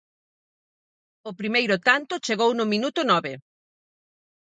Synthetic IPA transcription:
ʊpɾimejɾʊt̪ant̪ʊt͡ʃeɣownʊminut̪ʊnɔβe

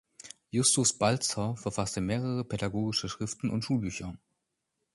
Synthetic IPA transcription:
jʊstʊsb̥alt͡sɐfɛɐfastəmeːʁ̞əʁ̞əpʰɛdaɡoːɡɪʃəʃʁ̥ɪftn̩ʔʊ̰ntʃuːlbyːçɐ

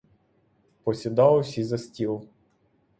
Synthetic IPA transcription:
pɔsʲid̪ɑlewsʲizɐsʲtʲilˠ

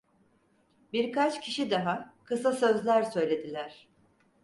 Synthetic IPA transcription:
biɾkat͡ʃcʰiʃid̪aɦakʰɯsasø̞zlʲæɾsø̞jlʲe̞d̪ilʲæɾ̝̥

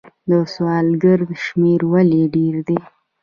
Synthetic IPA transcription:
d̪əswɑlɡəɾd̪ʃmeɾwaleɖeɾd̪e

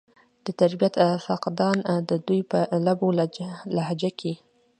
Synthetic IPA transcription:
d̪̥ət̪aɾbijat̪faqd̪ɑnd̪əd̪ujpəlabollaɦad͡ʒakʰi

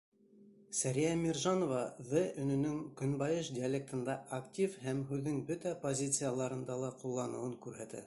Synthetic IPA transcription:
sæɾijæmʲirʒɑnovɑðɘɵ̆nɵ̆nɵŋkɵ̆nbɑjɤʃd̪ʲɪɐlʲek̚t̪ɤ̆nd̪ɑʔaktʲifhæmɦʉðːɘŋbɵt̪æpozʲit̪sɨjalˠɑɾɤ̆nd̪ɑlˠɑqulˠːɑnɤ̆wɤŋkʉɾɦæt̪æ̰

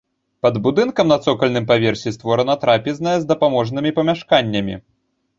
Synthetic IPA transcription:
pɐd̪bud̪ɨnkɐmnɐt̪sɔkɐlʲnɨmpavʲɛrsʲist̪vɔɾɐnɐt̪ɾapʲiznɐjɛzd̪ɐpamɔʐnɨmʲipɐmʲaʂkanʲːɐmʲḭ

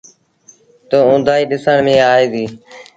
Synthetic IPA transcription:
t̪oːʊ̃ːd̪ʱaːiːɗɪsəɳmẽːaːɦeːd̪iː

